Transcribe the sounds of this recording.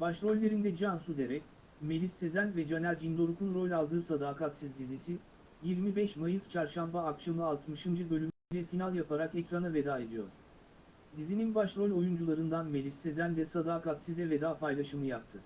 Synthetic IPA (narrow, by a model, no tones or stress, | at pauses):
baʃɾo̞lʲːe̞ɾind̪ɛd͡ʒansud̪e̞ɾɛc | me̞lʲisːe̞zænvɛd͡ʒanælʲd͡ʒind̪o̞ɾukʰunɾo̞lʲalˠd̪ɯːsad̪aːkat̪sizd̪izisi | jiɾmibɛʃmajɯz̥t͡ʃʰaɾʃambaːkʃamlˠɯːlˠt̪mɯʃɯnd͡ʒɯbø̞lʲymyd̪ʲɛfinalˠjapʰaɾakɛcɾanave̞d̪aːe̞d̪ijo̞̰ɾ̥ | d̪izininbaʃɾo̞lʲo̞jund͡ʒulˠaɾɯnd̪anme̞lʲisːe̞zænd̪ɛsad̪aːkat̪sizɛve̞d̪aːpʰajlˠaʃɯmɯjap̚t̪ʰɯ